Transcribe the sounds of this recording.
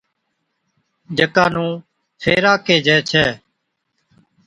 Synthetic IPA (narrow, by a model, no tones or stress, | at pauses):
d͡ʒəkaːnũː | fʰeːɾaːkeːd͡ʒɛːt͡ʃʰɛː